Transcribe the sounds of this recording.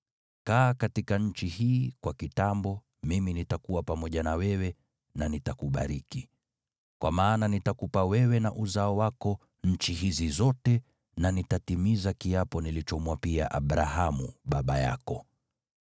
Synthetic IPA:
kaːkatikaɲ̩t͡ʃihiːkwakitambɔ | miminitakuwapamɔʄanawɛwɛ | nanitakuɓa̰ɾiki | kwamaːnanitakupawɛwɛnaʔuzaɔwakɔ | ɲ̩t͡ʃiɦizizɔtɛ | nanitatimizakiapɔnilit͡ʃɔmwapia̰ʔaɓɾaɦamuɓaɓaja̰kɔ

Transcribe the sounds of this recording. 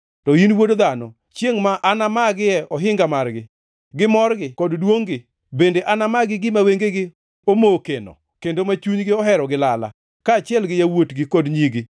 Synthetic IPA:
tɔinwodd̪anɔ | t͡ʃeŋmaʔanamaɡɪɛʔɔɦɪŋɡamarɡɪ | ɡɪmɔrɡɪkɔddwoŋɡɪ | bendeʔanamaɡɪɡɪmaweŋɡeɡɪ | omokenɔ̰ | kendomat͡ʃuɲɡɪɔɦɛɾɔɡɪlala̰ | kaːt͡ʃɪɛlɡɪjawotɡɪkɔdɲiɡɪ

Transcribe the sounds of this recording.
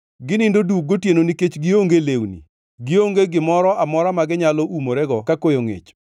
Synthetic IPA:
ɡɪnɪndodwuk̚ɡotjenoniket͡ʃɡɪoŋɡelewnḭ | ɡɪoŋɡeɡɪmɔɾɔamɔɾamaɡɪɲalɔʔumoɾɛɡɔkakojoŋḛt͡ʃ

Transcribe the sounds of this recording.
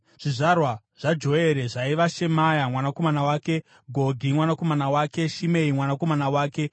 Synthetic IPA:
ʐ̥iʐarwa | ʐ̥ad͡ʒo̞eɾe̞ʐaiʋaʃe̞majamwanako̞manawaːke̞ | ɡʱodʱimwanako̞manawaːke̞ʃime̞imwanako̞manawaːke̞

